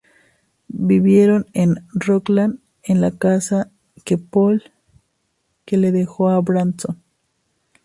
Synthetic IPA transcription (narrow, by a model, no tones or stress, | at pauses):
biβjeɾonenroklan | enlakasa | kepol | keleðexoabɾanson